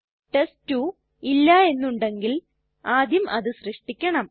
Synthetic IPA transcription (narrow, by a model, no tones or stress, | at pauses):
ʈestu | ilːɐe̞nːuɳɖe̞ŋɡil | aːd̪jɐmʔɐðɨɕrɨʂʈikʲːɐɳɐm